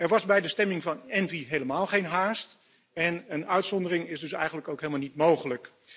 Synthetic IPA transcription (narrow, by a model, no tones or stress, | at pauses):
ɛɹʋɑzbɛjdəstɛmɪŋvɑnɛnviɦejləmaːlˠχejnɦaːst | ɛnənœɥtsɔndərɪŋɪzdɵsɛ̰jχənləkowkɦejlˠmalnitmowχələk